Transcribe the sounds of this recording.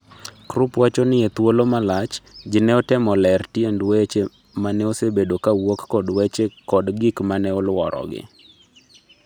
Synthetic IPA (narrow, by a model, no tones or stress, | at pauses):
kɾupwat͡ʃɔnɪet̪wolomalat͡ʃd͡ʒɪnɛɔtɛmɔlɛrtjendwet͡ʃe | manɛosebedokawokːɔdwet͡ʃekɔdɡikmanɛɔlwɔɾɔ̰ɡɪ̰